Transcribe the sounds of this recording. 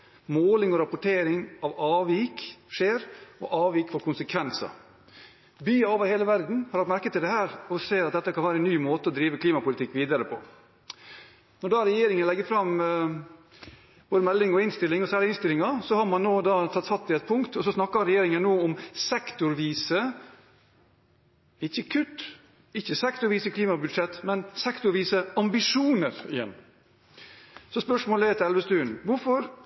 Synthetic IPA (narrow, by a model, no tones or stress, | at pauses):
moːlɪŋɔɾɑpʊʈʰeːɾɪŋɑʋɑːʋiːkʂeːɾɔ̰ʔɑːʋiːkfɔɾkʰʊnsəkʰʋɛnsɑ̰ | byːɑoːʋəɾheːləʋæɾd̪n̩hɑɾhɑt̪mæɾkət̪ɪld̪ɛhæːɾɔseːɾɑt̪̚d̪ɛt̪ːəkʰɑnʋæːɾəɛnːyːmoːt̪əɔd̪ɾiːʋəkʰliːmɑpʊlɪt̪ɪkːʋiːd̪ɑɾəpʰɔ̰ | nɔɖɑːɾɛjeːɾɪŋənlɛɡːəɾfɾɑm | b̥oːd̪əmɛlːɪŋɔɪnst̪ɪlːɪŋɔsæːɭɪɪnst̪ɪlɪŋɑsɔhɑɾmɑnːoːd̪ɑːt̪ʰɑt̪sɑt̪ʰːɪɛt̪̚pʰʊŋkt̪ɔsɔsnɑkːɑɾɛjeːɾɪŋənnoːɔmsɛkt̪ʊɾʋiːsə | ɪçːəkʰʉt̪ː | ɪçːəsɛkt̪ʊɾʋiːsəkʰliːmɑbʉd̪ʂɛt̪ːmɛnsɛkt̪ʊɾʋiːsəɑmbɪʂuːnəɾɪjɛ̰nː | sɔspœʂmoːlɛt̪ʰɪɛlʋəst̪ʉːənʋʊɾfɔɾ